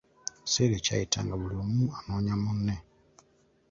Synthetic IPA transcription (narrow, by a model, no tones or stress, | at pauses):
seɾet͡ʃa̰ita̰ŋɡaβulomuanɔɲamunːɛ